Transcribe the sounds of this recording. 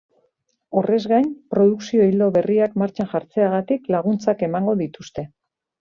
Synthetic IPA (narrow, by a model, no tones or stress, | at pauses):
o̞re̞zɣajnpɾo̞ð̞uksio̞ild̪o̞βe̞riakmaɾt͡ʃanxaɾt͡se̞aɣ̞at̪iklaɣ̞unt͡sake̞maŋɡo̞ðit̪ust̪e̞